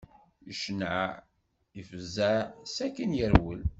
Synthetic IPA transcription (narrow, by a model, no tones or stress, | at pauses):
əʃənəʕ | ifəzæsækənjəɾwəl